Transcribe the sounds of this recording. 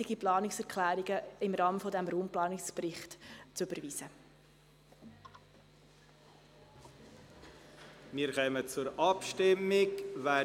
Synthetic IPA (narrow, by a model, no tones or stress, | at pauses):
ɪɡiplɑːnɪksɛɾkʰlæːɾiɡəɪmɾɑːməfɔdɛmɾuːmplɑːnɪksprɪχtt͡sʉb̥əɾviːsə | miːɾχœːmət͡sʊɾɑpʃtɪmːɪɡʋæ